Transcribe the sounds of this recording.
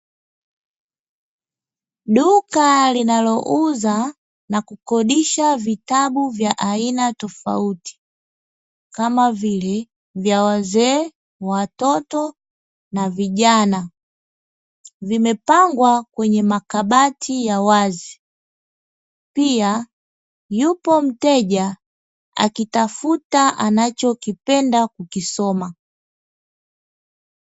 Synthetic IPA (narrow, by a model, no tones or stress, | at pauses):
ɗukalinalɔʔuza | nakukɔɗiʃavitaɓuvjaʔainatɔfa̰uti̥ | kamavilɛ | vjawazɛ | watɔtɔ | naviʄana | vimɛpaŋɡwakwɛɲɛmakaɓatʰijawazi | pia | jupɔm̩tɛʄa | a̰kitafutaʔanat͡ʃɔkipɛndakukisɔma